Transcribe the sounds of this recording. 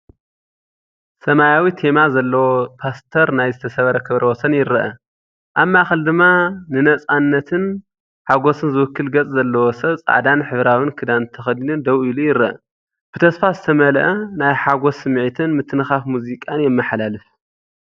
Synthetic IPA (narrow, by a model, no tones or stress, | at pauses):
sɐmajawit̪ʰe̞mazɐlːɐwopʰast̪ʰɐɾnajzɨt̪ʰɐsɐβɐɾɐkʰɨβɾɐwɔsɐnjɪɾɐʔɐ | ʔaβmaxɐld̪ɨmːanɨnɐt͡sʼanːɐt̪ʰɨn | ħaɡo̞sɨnzɨwʊkʰːɨlɡɐt͡sʼzɐlːɐwosɐt͡sʼa̰ʕd̪anħɨβɾawɨnkʰɨd̪ant̪ʰɐxɐd̪inɨnd̪ɐwilujɪɾɐʔɐ̰ | b̥ɨt̪ʰɐsfazɨt̪ʰɐmɐlɐʔɐnajħaɡo̞sɨmʕit̪ʰɨnmɨt̪ʰːɨnɨxafmuzikʼanjɛmːɐħlalɨf